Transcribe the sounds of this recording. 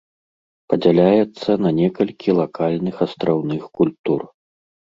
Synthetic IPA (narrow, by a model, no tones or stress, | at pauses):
pɐd͡zʲalʲajɛt̪sːɐnɐnʲɛkɐlʲkʲʰilˠakalʲnɨxɐst̪ɾawnɨxkulʲt̪ur